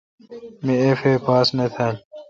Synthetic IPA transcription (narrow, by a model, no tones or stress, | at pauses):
miefeːpaːsnet̪ʰɐl